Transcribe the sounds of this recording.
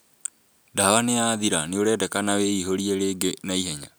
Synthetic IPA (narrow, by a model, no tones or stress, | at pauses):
dawanejaðiɾaneoɾɛːdɛkanaweiɦoɾieɾeːɡenaiɦɛɲa